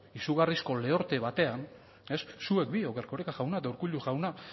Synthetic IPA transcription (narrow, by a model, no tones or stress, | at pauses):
isuɣarisko̞le̞o̞ɾt̪e̞βat̪e̞an | e̞sːue̞k̚bio̞keɾko̞ɾekaʝawnat̪auɾkuʎuʝawna